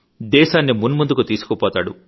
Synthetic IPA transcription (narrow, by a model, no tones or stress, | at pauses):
d̪ɛːʃaːnːimunmund̪ukut̪iːsu̥kɔpɔːt̪aːɽṵ